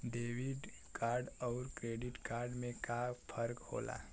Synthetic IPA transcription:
ɖeːwiɖ | kaːɾɖɔːɾkɾeːɖɪʈkaːɾɖmẽkapʰəɾkho̰ːla̰ː

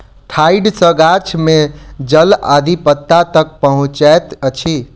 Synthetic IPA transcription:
ʈʰaiɖsəɡat͡ʃʰmed͡ʒəlad̪ʱipət̪ːat̪ək̚pəɦũt͡ʃɛt̪ət͡ʃʰi

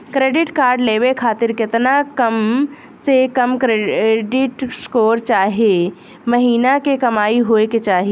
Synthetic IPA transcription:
kɾeːɖɪʈkaːɾɖleːwekʰaːt̪ɪɾkɪt̪nakəm | sekəmkɾeɖɪʈskoːɾt͡ʃaːɦie | məɦiːnakekɐmaːiɦoːeket͡ʃaːɦi

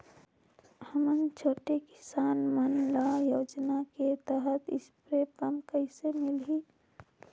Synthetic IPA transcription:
həmənt͡ʃʰoːʈekɪ̥saːnmənlaːjoːd͡ʒnaket̪əɦət̪ɪ̰spɾekəmkəɪsemɪlɦiː

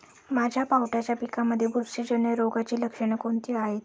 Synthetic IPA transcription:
mad͡ʑʱjapawʈat͡ɕjapikaməd̪ʱːjebuɾsid͡ʑəɳəɾoɡat͡ɕiːləkʂəɳ̃əkoɳt̪iːaɦet̪

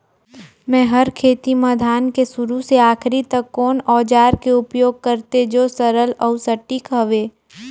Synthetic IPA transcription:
mɛ̃ːɦɐɾkʰeːt̪iməd̪ʱaːnkesʊɾuseaːkɾit̪əkːɔːnɔːd͡ʒaːɾkeʊpjoːɡ̚kəɾt̪ed͡ʒoːsɐɾəlɔusɐʈːikɦəʋeː

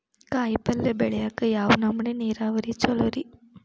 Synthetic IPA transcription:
kaːjpɐlːɐbɛɭɐjaːkːɐjaːʋɐnɐmːɐneneːɾaːʋɐɾit͡ʃɔlɐɾi

